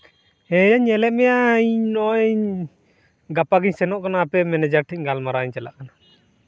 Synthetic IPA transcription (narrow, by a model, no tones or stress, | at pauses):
ɛjaɲɛlɛʔ̪̚mɛjaʔɲnɔɲ | ɡapaɡiɲsɛnɔʔkanaːpɛmɛnɛd͡ʒak̚ʈʰic̚ɡalmaɾaɲt͡ʃala̰ʔkana